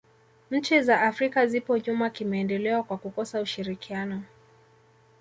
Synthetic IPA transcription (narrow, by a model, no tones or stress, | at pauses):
ɲ̩t͡ʃizaʔːfɾikazipɔʄumakimɛɛndɛlɛwakwakukɔsauʃiɾikianɔ